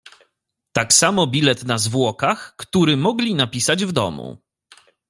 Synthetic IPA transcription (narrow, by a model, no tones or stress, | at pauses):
t̪aksamɔbʲilɛt̪nazvwɔkaxkt̪uɾɘmɔɡlʲinapʲisad͡ʑvd̪ɔ̰mṵ